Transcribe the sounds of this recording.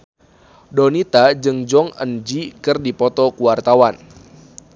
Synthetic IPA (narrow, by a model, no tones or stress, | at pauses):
dɔnit̪ad͡ʒɨŋd͡ʒɔŋə̰nd͡ʒikɨrdipɔt̪ɔkuwart̪awan